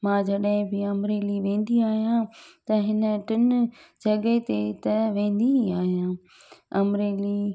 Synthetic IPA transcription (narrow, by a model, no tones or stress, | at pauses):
mãːd͡ʑɐɗɪ̃bɪɐmɾeːliʋẽːnd̪iaːɦijãt̪ɐɦɪnə̆ʈɪnʊd͡ʑɐɠet̪et̪ɐʋẽːn̆d̪iaːɦijã | ɐmɾeːli